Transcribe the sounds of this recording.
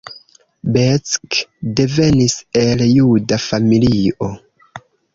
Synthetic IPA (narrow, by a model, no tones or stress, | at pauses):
bet͡skde̞ve̞nise̞ljudafamilio̞